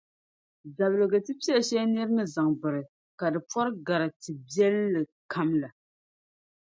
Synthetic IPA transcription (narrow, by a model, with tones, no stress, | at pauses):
za˨blɨ˨ɡɨ˨tɨ˦pɛ˦a˨ʃɛ˦ni˦ɾɨ˦nɨ˦za˨ŋbɨ˨ɾɨ˨ | ka˨dɨ˨pɔ˦ɾɨ˦ɡa˨ɾa˨tɨ˨bi˦ɛ˦lːɨ˨kʰa˦mla˨